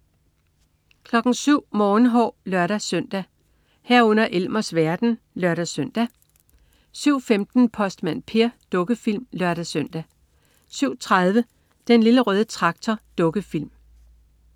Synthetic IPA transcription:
kʰlɒ̽ɡ̥n̩syʊ̰mɒːn̩ɦɒ̰ːlɶɐɾ̥æsœn̰d̥æ | hæɐ̰ɔ̽n̰ɐʔelmɐsʋæɐd̥n̩ | lɶɐɾ̥æsøn̰d̥æ | syʊ̰femd̥n̩pʰɒ̽sd̥mæn̰pʰe̝ɐd̥ɔ̽ɡ̥əfil̰mlɶɐɾ̥æsøn̰d̥æ | syʊ̰t͡sʰʁaðˠʋə | d̥enliləʁœːð̞ˠət͡sʰʁɑ̈ɡ̥̚t͡sʰɒd̥ɔ̽ɡ̥əfil̰m

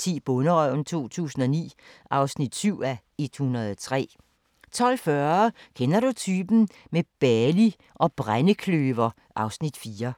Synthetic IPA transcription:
t͡sʰḭːb̥ɔ̽nəʁœʊ̰n̩t͡sʰo̝̰ːt͡sʰṵːsn̩ɒ̽nḭːʔɑ̈ʊsnid̥syʊ̰æ | e̝d̥hunɐðˠɒt͡sʰʁɛ̰ː | t͡sʰɒ̽l̰fɶɐkʰenɐɾ̥ut͡sʰyːb̥n̩meb̥ɛli | ʔɒ̽b̥ʁanəkʰløːʋɐ | ʔɑ̈ʊsnid̥fiːɐ

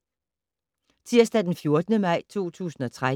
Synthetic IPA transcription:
t͡sʰiɐ̰sd̥æd̥enfjo̝ɐd̥ənəmɑ̈ɪ̰t͡sʰo̝̰ːt͡sʰṵːsn̩ɒ̽t͡sʰʁa

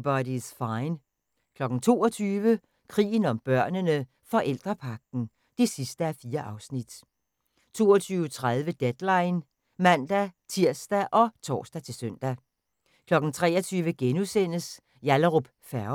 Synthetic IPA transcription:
b̥ɒdisfɑ̈ɪn | kʰlɒ̽ɡ̥n̩t͡sʰo̝̰ːɒ̽t͡sʰyːʋə | kʰʁḭːən̩ɒ̽mb̥ɶɐ̰nənə | fɒ̽ʔel̰d̥ʁɐpʰɑ̈ɡ̥̚n̩ | d̥e̝sisd̥əæfiːɐʔɑ̈ʊsnid̥ | t͡sʰo̝ːɒt͡sʰyːʊət͡sʰʁað̞ˠʋəd̥ed̥lɑ̈ɪn | mænd̥æt͡sʰiɐ̰sd̥æʔɒ̽t͡sʰɒ̰ːsd̥æt͡sʰe̝lsøn̰d̥æ | kʰlɒ̽ɡ̥n̩t͡sʰʁɛ̰ːɒt͡sʰyːʋəɡ̥enusen̰əs | jæləʁob̥ | fæɐ

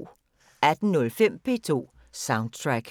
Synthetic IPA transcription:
æd̥n̩nɔ̽lfem̰pʰe̝̰ːt͡sʰo̝̰ː | sɑ̈ʊnd̥̚t͡sʰʁaɡ̥

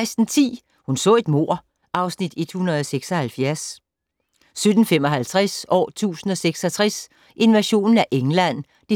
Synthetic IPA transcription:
ɪsd̥n̩t͡sʰḭː | hunsɔ̰̽ːe̝d̥mo̝̰ɐ̰ | ʔɑ̈ʊsnid̥e̝d̥hunʁɐðˠɒ̽seɡ̥sɒ̽hælfjæɐs | sød̥n̩femɒ̽ɦælt͡sʰʁasɒ̰ːt͡sʰṵːsn̩ɒ̽seɡ̥sɒ̽t͡sʰʁas | ʔe̝nʋæɕo̝̰ːnn̩æʔeŋlæn̰ | d̥e

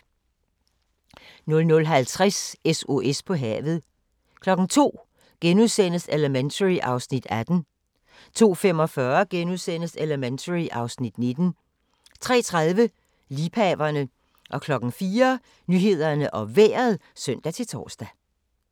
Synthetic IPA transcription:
nɔ̽lnɔ̽lɦælt͡sʰʁaseso̝ʔespʰɒ̽ɦɛ̰ːʋð̞̩ˠ | kʰlɒ̽ɡ̥ŋ̩t͡sʰo̝̰ː | ɡ̥enuðˠsen̰əseləment͡sʰəʁiʔɑ̈ʊsnid̥æd̥n̩ | t͡sʰo̝̰ːfem̰ɒ̽fɶɐɡ̥enuðˠsen̰əseləment͡sʰəʁiʔɑ̈ʊsnid̥ne̝d̥n̩ | t͡sʰʁɛ̰ːt͡sʰʁaðˠʋə | liːpʰɛːʋɐnə | ʔɒ̽kʰlɒ̽ɡ̥ŋ̩fiːɐ | nyɦe̝ð̞̰ˠɐnəʔɒ̽ʋḛːɐð̩ˠsœn̰d̥æt͡sʰe̝lt͡sʰɒ̰ːsd̥æ

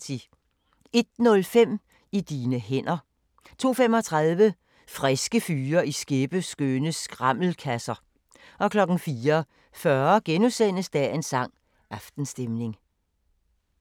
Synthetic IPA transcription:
i | e̝d̥̚nɔ̽lfem̰ | id̥iːnəɦen̰ɐ | t͡sʰo̝̰ːfemɒ̽t͡sʰʁɑðˠʋə | fʁɛsɡ̥əfyːɐʔisɡ̥e̝b̥əsɡ̥ønəsɡ̥ʁɑ̈m̰l̩kʰæsɐ | ʔɒ̽kʰlɒ̽ɡ̥n̩fiːɐ | fɶɐɡ̥enusen̰əsd̥æensɑ̈ŋ̰ | ɑ̈fd̥n̩sd̥emne̝ŋ

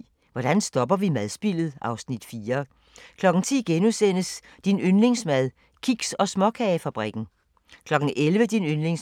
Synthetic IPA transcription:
ʋɒd̥ænsd̥ɒ̽b̥ɐʋimæðˠsb̥il̰ð̞̩ˠɑ̈ʊsnid̥fiːɐ | kʰlɒ̽ɡ̥n̩t͡sʰḭːɡ̥enusen̰əs | d̥inønle̝ŋsmæð̞ˠ | kʰiɡ̥sɒ̽smɒ̽kʰɛfæb̥ʁiɡ̥n̩ | kʰlɒ̽ɡ̥n̩ʔelʋəd̥inønle̝ŋs

